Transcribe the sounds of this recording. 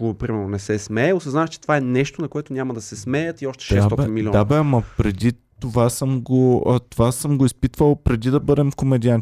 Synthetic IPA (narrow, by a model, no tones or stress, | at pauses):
opɾimɛɾnonɛsɛsmɛɛosɐznaɛt͡ʃɛt̪ovaɛnɛʃt̪onɐkoɛt̪onʲamɐd̪ɐsɛsmɛjət̪iɔʃt̪ɛ̥ʃɛsaɔbɛninmilɔ̃d̪abɛɐmɐpɾɛd̪it̪ovasɤmɡot̪ovasɤmɡoispit̪vəlˠpɾɛd̪id̪ɐbɤd̪ɛmkomɛd̪ian